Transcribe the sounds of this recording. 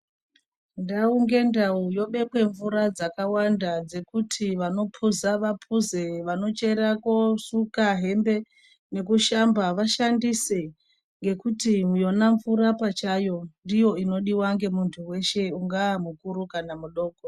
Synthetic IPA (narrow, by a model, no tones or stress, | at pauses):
ndauŋɡe̞ndaujo̞ɓe̞kwe̞ɱvuɾad͡zakawandad͡ze̞kutʰiʋano̞pʰuzaʋapʰuze̞ʋano̞t͡ʃe̞ɾakosukaɦe̞mbe̞ | ne̞kuʃambaʋaʃandise | ŋɡe̞kutimujo̞naɱvuɾapat͡ʃajo̞ndijo̞ino̞ɗiwaŋɡe̞muntʰuwe̞ʃe̞uŋɡaːmukuɾukanamuɗo̞ːko